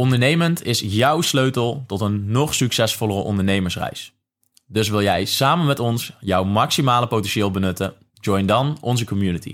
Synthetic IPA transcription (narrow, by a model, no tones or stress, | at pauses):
ɔndəɹnejməntɪsjʌwsløɥtəlˠtɔtənːɔχsyksɛsfɔlˠərəʔɔ̰ndəɹnejməɹsrɛ̰js | dɵs̬ʋɪlˠjɛjsaːmənmɛtɔnsjɔwmɑksimaːləpowtɛnʃɪːlˠbənɵtə | d͡ʒɔjndɑnɔnzəkɔmjunətḭ